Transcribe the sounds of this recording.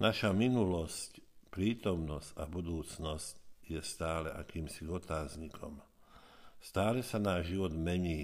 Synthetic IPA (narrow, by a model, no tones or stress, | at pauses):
naʃaminulɔscpɾiːt̪ɔmnɔscabud̪uːt͡snɔscjɛst̪aːlɛʔakiːmsiɡɔt̪aːzɲikʰɔ̰m | st̪aːlɛsanaːʒʒiʋɔd̪mɛɲiː